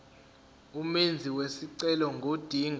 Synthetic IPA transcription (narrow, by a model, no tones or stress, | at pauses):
umend͡zʱiwesiǀɛlɔŋɡʱod̥ʱiŋ